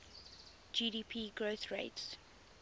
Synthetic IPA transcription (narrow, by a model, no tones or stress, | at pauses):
d͡ʒiːdiːpʰiːɡɹoθɹeɪts